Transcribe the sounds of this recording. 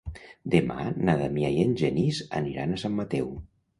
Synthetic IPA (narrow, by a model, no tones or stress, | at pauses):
d̪ema̰naðamiajenʲʒeniza̰niɾa̰nasamːat̪ɛw